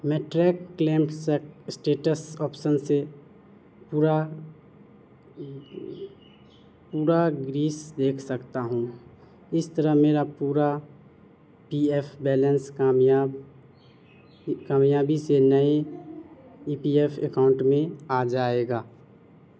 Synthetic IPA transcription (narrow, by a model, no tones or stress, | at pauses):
mɛ̃ːʈɾɛːkːlẽːmʈssʈeːʈəsɔːpʃənse | puːɾa | puːɾaɡɾiːsd̪eːkʰsəkt̪aɦũː | ɪst̪əɾəɦmeːɾapuːɾa | piepʰbɛːlə̃nsja | kaːmjaːbisenəe | iːpieːpʰekaːʊ̃ɳʈmẽaːd͡ʒaːeːɡaː